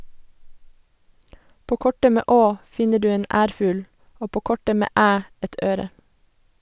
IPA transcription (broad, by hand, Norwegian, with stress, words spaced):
ˈpoː ˈkɔʈə ˈmeː ˈʔoː ˈfɪɲə ˈɖʉː ˈeːn ˈʔæːɾfʉːl ˈoː ˈpoː ˈkɔʈə ˈmeː ˈæː ˈɛt ˈʔøːɾə